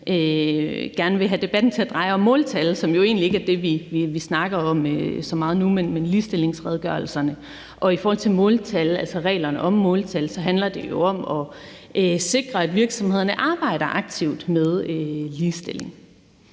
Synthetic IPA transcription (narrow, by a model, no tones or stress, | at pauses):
ʔøɡ̥æɐnəʋe̝ɦæd̥e̝b̥æd̥n̩t͡sʰe̝æɐd̥ʁɑ̈ɪɒ̽mːɔ̽ːlt͡sʰælsɒ̽mjo̝e̝̰ːnlie̝ɡ̥æɐd̥e̝ʋiʋiʋisnɑ̈ɡ̥ɐɒ̽møsɒ̽mɑ̈ːð̞̩ˠnumenmenliːsd̥e̝le̝ŋsʁɛð̞ˠɡ̥ɶɐlsɐnə | ʔɒ̽ifɒːhɒ̽l̰t͡sʰe̝lmɔ̽ːlt͡sʰælælsɒʁɛ̰ːlɐnəʔɒ̽mːɔ̽ːlt͡sʰælsɒ̽ɦænlɐd̥e̝jo̝ɒ̽mɒ̽ | ʔøse̝ɡ̥ʁɐæd̥ʋiɐɡ̥sɒ̽mhe̝ð̞̰ˠɐnəʔɑ̈ːb̥ɑ̈ɪ̰ɾ̥ɐʔɑ̈ɡ̥̚t͡sʰiʊ̰d̥með̞ˠøliːsd̥e̝l̰e̝ŋ